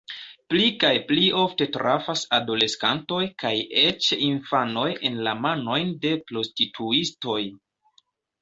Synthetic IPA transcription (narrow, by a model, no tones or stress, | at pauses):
plikajplio̞fte̞tɾafasado̞le̞skanto̞jkajet͡ʃinfano̞jḛnlamano̞jnde̞pɾo̞stitʰuisto̞j